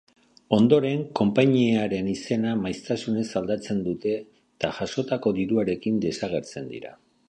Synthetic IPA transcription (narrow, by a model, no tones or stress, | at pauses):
o̞nd̪o̞ɾe̞ŋko̞mpaɲieaɾe̞nise̞namajst̪asune̞sald̪at͡se̞nd̪ut̪e̞ | t̪aʝaso̞t̪ako̞d̪iɾuaɾe̞kind̪e̞saɣe̞ɾt͡se̞nd̪ḭɾa̰